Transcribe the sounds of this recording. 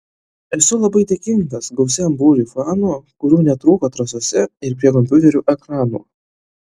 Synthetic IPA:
ɛsʊlˠɐbɐɪd̪ʲekʲɪŋt̪ɐsɡɐʊsʲɛmbuːɾʲifɑːnuːkʊɾʲuːnʲɛt̪ɾuːkoːt̪ɾɐsoːsʲɛɪɾpʲɾʲiɛk̬ɔmʲpʲʊt̪ʲɛɾʲuːʔɛkɾɑːnṵː

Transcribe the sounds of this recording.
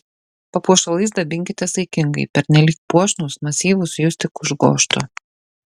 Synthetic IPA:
pɐpuɔʃɐlˠɐɪsd̪ɐbʲɪŋʲkʲɪt̪ʲɛsɐɪkʲɪŋɡɐɪpʲɛɾʲnʲɛlʲiːk̚puɔʃnuːsmɐsʲiːʋʊsjʊsʲt̪ʲɪkʊʒɡoːʃt̪ʊ

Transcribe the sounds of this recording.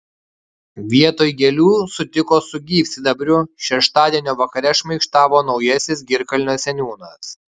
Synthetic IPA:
ʋʲiɛt̪oːjɡʲɛlʲuːsʊt̪ʲɪkoːsʊɡʲiːpʲsʲɪd̪ɐbʲɾʲʊʃʲɛʃt̪ɑːd̪ʲiɛnʲoːʋɐkɐɾʲɛʃmɐɪkʃt̪ɑːʋoːnɒʊjɛsʲɪs̬ɡʲɪɾkɐlʲnʲoːsʲɛnʲuːnɐs

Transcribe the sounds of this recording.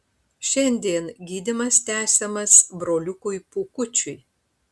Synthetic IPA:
ʃʲɛnʲd̪ʲiɛnɡʲiːd̪ʲɪmɐst̪ʲæːsʲɛmɐsbɾoːlʲʊkʊjpukʊt͡ʃʲʊɪ

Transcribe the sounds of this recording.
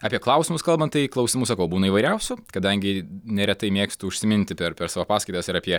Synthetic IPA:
ɑːpʲiɛklˠɐʊsʲɪmʊskɐlˠbɐnt̪t̪ɐɪklˠɐʊsʲɪmusɐkɐʊbuːnɐiʋɐɪɾʲɛʊsʲʊkɐd̪ɐŋʲɡʲɪnʲɛɾʲɛt̪ɐɪmʲeːksʲt̪ʲuʊʃʲsʲɪmʲɪnʲt̪ʲɪpʲɛɾpʲɛɾsɑːʋoːpɑːskɐɪt̪ɐsɪɾɐpʲiɛ

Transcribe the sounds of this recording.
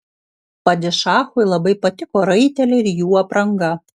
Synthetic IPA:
pɐd̪ʲɪʃɑːxʊɪlˠɐbɐɪpɐt̪ʲɪkoːɾɐɪt̪ʲɛlʲɪɪɾjuːɐpɾɐŋɡɐ

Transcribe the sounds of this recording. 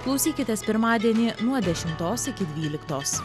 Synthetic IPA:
klˠɔʊsʲiːkʲɪt̪ʲɛspʲɪɾmɑːd̪ʲiɛnʲiːnuɔd̪ʲɛʃʲɪmt̪oːsɪkʲɪd̪ʲʋʲiːlʲɪkt̪oːs

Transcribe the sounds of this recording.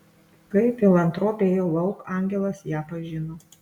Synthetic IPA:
kɐɪpʲɪlˠɐnt̪ɾoːpʲeːjoːlˠɐʊkɑːˑŋʲɡʲɛlˠɐsjæːpɐʒʲɪnoː

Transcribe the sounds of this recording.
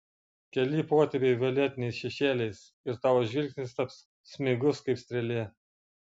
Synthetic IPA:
kʲɛlʲipoːt̪ʲɛpʲeɪʋʲolʲɛt̪ʲɪnʲɛɪsʃʲɛʃʲeːlʲɛɪs | ɪɾt̪ɑːʋoːʒʲʋʲɪlʲksʲnʲɪst̪ɐps | sʲmʲɪɡʊskɐɪpst̪ʲɾʲɛlʲeɛ

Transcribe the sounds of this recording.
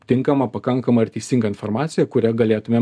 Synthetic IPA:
t̪ʲɪŋkɐmɐpɐkɐŋkɐmɐɐɾʲt̪ʲiːst̪ʲɪŋɡɐɪnfoɾmɑːt̪sʲɪjɛkʊɾʲɛɡɐlʲeːt̪ʊmʲeː

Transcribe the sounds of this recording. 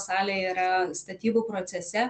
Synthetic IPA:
sɑːlʲeːiːɾɐst̪ɐt̪ʲiːbʊpɾoːt̪sʲɛsʲɛ

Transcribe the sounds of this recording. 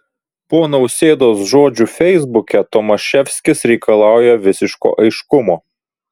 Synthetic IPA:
poːnɐʊsʲeːd̪oːsʒoːd͡ʒʲuːfʲɛɪzbʊkʲɛt̪ɔmɐʃʲɛfʲsʲkʲɪsɾʲɛɪkɐlˠɑˑʊjɛʋʲɪsʲɪʃko̰ːʔɐɪʃkʊmoː

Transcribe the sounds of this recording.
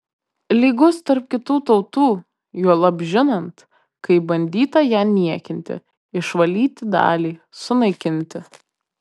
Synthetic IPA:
lʲiːɡʊst̪ɐɾp̚kʲɪt̪uːt̪ɒʊt̪uː | juɔlˠɐbʲʒʲɪnɐnt̪ | kɐɪbɐnʲd̪ʲiːt̪ɐjæːnʲiɛkʲɪnʲt̪ʲɪ̰ | ɪʃʋɐlʲiːt̪ʲɪd̪ɑ̰ːlʲiːsʊnɐɪkʲɪnʲt̪ʲɪ

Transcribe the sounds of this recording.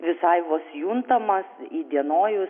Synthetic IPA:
ʋʲɪsɐɪʋosjunt̪ɐmɐsid̪ʲiɛnoːjʊs

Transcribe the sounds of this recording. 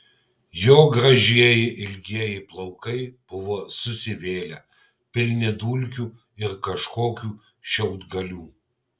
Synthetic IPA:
joːɡɾɐʒʲiɛjɪʔɪlʲɡʲiɛjɪplˠɐʊkɐɪb̥ʊʋoːsʊsʲɪʋʲeːlʲɛ | pʲɪlʲnʲɪd̪uːlʲkʲuː | ɪɾkɐʃkoːkʲuː | ʃʲɛʊd̪ɡɐlʲuː

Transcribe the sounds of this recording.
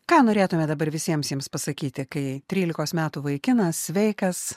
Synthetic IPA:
kɑːnoːɾʲeːt̪ʊmʲɛd̪ɐbɐrʋʲɪsʲiɛmsjiɛmspɐsɐkʲiːt̪ʲɪkɐɪt̪ʲɾʲiːlʲɪkoːsmʲæːt̪uʋɐɪkʲɪnɐssʲʋʲɛɪkɐs

